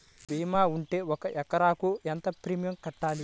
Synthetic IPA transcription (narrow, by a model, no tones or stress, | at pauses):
biːmaːuɳʈe̞ːwɔkɐʔɛkɐɾaːkuent̪ɐpɾimijɐmkɐʈːaːli